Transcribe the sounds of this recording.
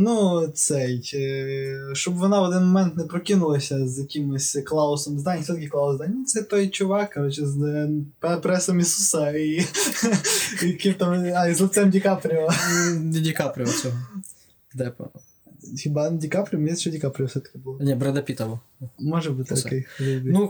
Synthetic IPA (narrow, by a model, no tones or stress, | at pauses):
nusɛ | ʃt͡ʃɔbʋɔnɑʋɔd̪ɪnmɔmɛnt̪nɛpɾɔkʲinʊlˠɐsʲɐzjɐkʲimɪsʲklˠɑʊsɔmzd̪anʲsʲɛt̪ɐkʲɪklˠɑʊzd̪anʲʊt̪sɛt̪ɔjt͡ʃʊʋɑkːɐɾɔt͡ʃɪzpɛpɾɛsɐmʲisusɐi | ɐkʲimt̪amazlˠʊt̪sɛmdʲikapɾʲiɐ | dʲikapɾʲɪʋɐt͡sʲɔɦɔ | d̪ɛpɐ̰ | xʲɪbadʲikapɾʲɪɔmʲesʲʃɔdʲikapɾʲɪɐsʲɛt̪ɐ̥kʲɪbʊlˠɔnʲɛbɾɛd̪ɐpʲit̪ɐʋɔ | mɔʒɐbɨt̪ʲt̪kɛjlʲubʲinu